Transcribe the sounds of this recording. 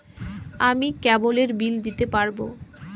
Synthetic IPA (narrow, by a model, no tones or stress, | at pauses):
amikɛboleɾbild̪it̪epaɾbo